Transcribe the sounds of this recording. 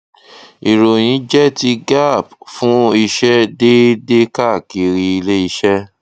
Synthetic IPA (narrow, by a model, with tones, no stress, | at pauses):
i˨ɾo˨j̃ĩ˨˦d͡ʒɛ˦ti˧ɡa˦˨˦b̚fũ˦i˧ʃɛ˦de˦de˦ka˦˨ki˨ɾi˧i˧le˦i˧ʃɛ˦